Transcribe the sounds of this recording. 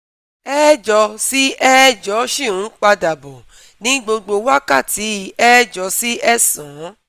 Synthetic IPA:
ɛ˦d͡ʒɔ˧si˦ɛ˦d͡ʒɔ˨˦ʃi˦˨ũ˨˦k͡pa˧da˨bɔ˨ | nĩ˦ɡ͡bo˧ɡ͡bo˧wa˦ka˦˨ti˨˦ɛ˦d͡ʒɔ˧si˦ʔɛ˦sã˨˦

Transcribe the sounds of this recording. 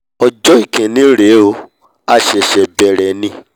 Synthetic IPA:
ɔ˧d͡ʒɔ˦i˦˨kẽ˨nĩ˨˦ɾe˨˦o˧ | a˧ʃɛ˨ʃɛ˨bɛ˨ɾɛ˨nĩ˧˦

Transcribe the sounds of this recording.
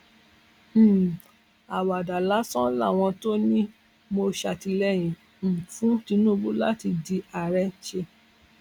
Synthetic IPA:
a˨wa˨da˨la˨˦sɔ̃˦la̰˦˨w̃ɔ̃˧to˦nĩ˦ | mo˧ʃa˨ti˧lɛ˦˨j̃ĩ˨ | m̩˨fũ˨˦ti˧nũ˦˧bu˦la˦ti˧di˧a˨ɾɛ˦ʃe˧

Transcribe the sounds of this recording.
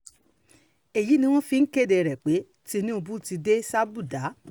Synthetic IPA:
e˨ji˨˦nĩ˧w̃ɔ̃˦fi˧ŋ̩˦ke˦˨de˧˨ɾɛ˨k͡pe˨˦ | ti˧˦nĩ˦o˧bũ˦ti˧de˦sa˦bu˦˨da˨˦

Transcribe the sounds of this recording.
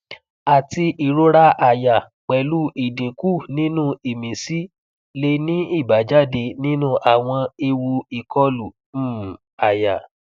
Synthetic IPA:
a˨ti˧ʔi˨ɾo˦ɾa˦ʔa˧˨ja˨ | k͡pɛ˨˧lu˦i˨de˨ku˦˨nĩ˦nũ˦i˨mĩ˨si˦ | le˧˦nĩ˦i˦˨ba˨˦d͡ʒa˦˨de˧nĩ˦nũ˦˨ʔa˨w̃ɔ̃˧e˧wu˧i˨kʰɔ˧lu˨˦˨ | a˨ja˨

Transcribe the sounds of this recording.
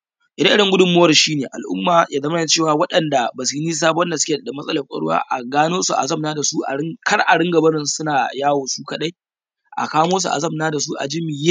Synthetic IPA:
ʔɪ˨˦dɐ˦ʔɪ˦ɽɪ˨ŋɡʷʊ˦dʊ˦˨mːʊ˦wɐ˨rʃiː˦neː˨ʔa̰˨lʔʊ̰˦mːaː˨jʔaː˦zɐ˦m˦˨t͡ʃeː˦˨waː˨wɐ˦ɗɐ˨nda˨bɐ˨siː˦niː˦s̬aː˦bɔ˦nda˨sʊ̥˦kʲe˨da˨mɐ˦sʼɐ˦lɐ˨kʷʼɐ̰˦ɽʊ˦wa̰ː˦ʔa̰˨ɡaː˦noː˦su˨ʔa̰˨zɐ˦mnaː˦da˨su˦ʔa̰˨ɽɪ˦ŋkɐ˦rʔa˨ɽɪ˦ŋɡɐ˨bɐ˦nɪ˨nsʊ˦naː˨jaː˦woː˨su˦kɐ˨ɗa˦j | ʔa̰˨kaː˦moː˦s̬u˨ʔa̰˨zɐ˦mnaː˦da˨su˦ʔa̰˨d͡ʒɪ˦mi˨je˦

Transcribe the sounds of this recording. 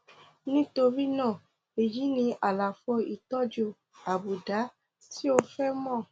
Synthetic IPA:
nĩ˦to˧ɾi˦nãː˦˨ | e˨ji˨˦nĩ˧ʔa˨la˨fɔ˧i˨tɔ˦d͡ʒu˧˨ | a˨bu˨da˨˦ | ti˦o˧fɛ˦mɔ̃˦˨

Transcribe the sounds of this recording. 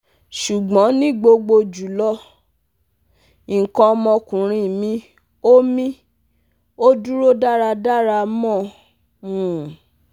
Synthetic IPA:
ʃu˨ɡ͡bɔ̃˨˦nĩ˦ɡ͡bo˧ɡ͡bo˧d͡ʒu˨˦lɔ˦ | i˨kɔ̃˧mɔ̃˧kũ˨ɾ̃ĩ˧˨mĩ˧˦ | o˦mĩ˦ | o˦du˦ɾo˦da˦˨ɾa˧da˦ɾa˧mɔ̃˦˨ | ũ˨

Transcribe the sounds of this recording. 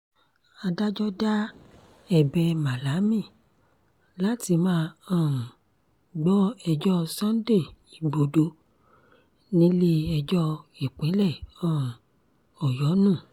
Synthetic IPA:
a˧da˦d͡ʒɔ˦da˦ | ɛ˦˨bɛ˧ma˨la˨˦mĩ˦˨ | la˦ti˧mãː˦ã˦˨ | ɡ͡bɔ˦ɛ˧d͡ʒɔ˦sã˦de˦˨i˨ɡ͡bo˨do˧˦ | nĩ˦li˦ɛ˧d͡ʒɔ˦e˨k͡pẽ˨˦lɛ˦˨ã˦˨ | ɔ˨jɔ˨˦nũ˦˨

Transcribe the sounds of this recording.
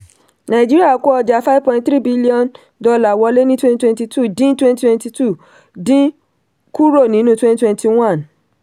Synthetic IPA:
nã˨i˨d͡ʒi˦ɾi˦a˦˨˦ko˦ɔ˧d͡ʒa˨fa˦vpɔ̃˧ĩ˦tθɾi˦bi˦li˦ɔ̃˦˨n | dɔ˧la˨wɔ˨˧˦le˦nĩ˦twɛ̃˦ntwɛ̃˧nti˧tʰu˦˨dĩ˦twɛ̃˦nti˦twɛ̃˧nti˧tu˦˨ | dĩ˦ | ku˦ɾo˦˨nĩ˨˦nũ˦twɛ̃˦n˦twɛ̃˧nti˧w̃ã˦˨n

